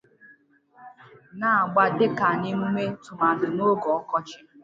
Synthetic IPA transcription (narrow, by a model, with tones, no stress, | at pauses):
na˨a˨ɡ͡ba˦dɪ˦ka˨nɪ˦mu˦me˦tʊ˨ma˨dʊ˨no˦ɡɔ˨ɔ˦kɔ˦t͡ʃɪ̥˨